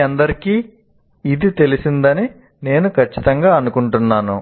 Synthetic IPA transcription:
ɐnd̪ɐɾikiː | id̪it̪e̞lisind̪ɐni | ne̞ːnukʰɐt͡ʃːit̪ɐŋɡaːɐnukuɳʈunːaːnu

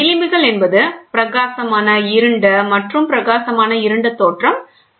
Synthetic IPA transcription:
ɪlɪmbɪɣɐɭɛnbɐðɯpɪɾɐɣaːsɐmaːnɐɪɾɯɳɖɐmɐʈrɯmpɪɾɐɣaːsɐmaːnɐɪɾɯɳɖɐt̪ːoːʈrɐm

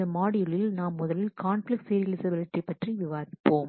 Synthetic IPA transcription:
ɐmaːɽɪjɪɭɪlnaːmːʊðɐlɪlkaːnflɪksɪɾɪɐlɪsɐbɪlɪʈːipːɐʈriʋɪʋaːɾɪpːoːm

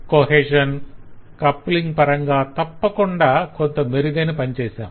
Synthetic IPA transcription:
koɦeːʂɐnkɐpːliŋɡpɐɾɐŋɡaːt̪ɐpːɐkuɳɖaːkont̪ɐmeɾiɡ̪ɐjnipɐɲt͡ʃeːsa̰ːm

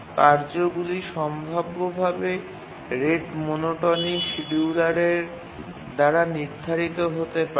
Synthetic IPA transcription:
kaɾd͡ʑoɡuliʃɔmbʱabːobʱabe | ɾeʈmonoʈoɾniŋʃiɖiulaɾeɾ | d̪aɾaniɾd̪ʱaɾit̪oɦot̪epa

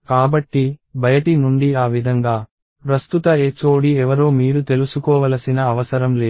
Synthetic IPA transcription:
kaːbɐʈːibʱɐjɐʈinuɳɖiaːʋid̪ʱɐŋɡaː | pɾɐst̪ut̪ɐeːt͡ʃo̞ːɽiɛʋɐɾoːmiːɾut̪e̞lusukɔːʋɐlɐsinɐːʋɐsɐɾɐmle̞ː

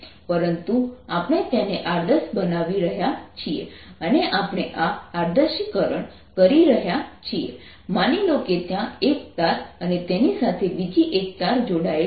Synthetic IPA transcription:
pəɾənt̪uapɽ̃et̪janeʔaɾd̪əsbənaʋiɾəɦjat͡ʃʰiḛəneʔapɽ̃eʔaːɾd̪əʃikəɾəɳ | kəɾiɾəɦjat͡ʃʰiḛ | maniloket̪jãek̚t̪aɾənet̪enisat̪ʰebid͡ʒiʔek̚t̪aɾd͡ʒoɽae

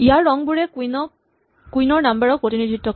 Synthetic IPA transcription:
ijaɹːɔŋbuɹɛkunɔ | kujnɔɹnambɛɹɔk̚potinidʱɹitːɔk

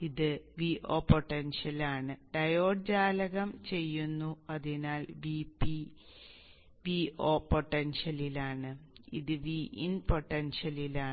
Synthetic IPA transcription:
iðɨʋiʔo̞̰ːpoʈːenʂɐlaːɳɨɖɐjo̞ːɖd͡ʑaːlɐɣɐmt͡ɕe̞jːunːuɐðinaːlʋipi | ʋioːpo̞ʈːenʂɐlilaːɳɨḭðɨʋiʔḭnpo̞ʈːenʂɐlilaː

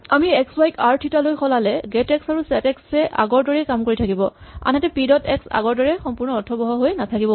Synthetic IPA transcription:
amiɛkswajkaɹtʰitalojxɔlalɛɡɛtɛksaɹusɛtɛksɛʔa̰ɡɔɹdɔɹɛkamkoɹitʰakibɔa̰nɦɛtɛpidɔtɛksa̰ɡɔɹdɔɹɛxɔmpuɹnɔɔtʰɔbɔɦɔɦojnatʰakibɔ

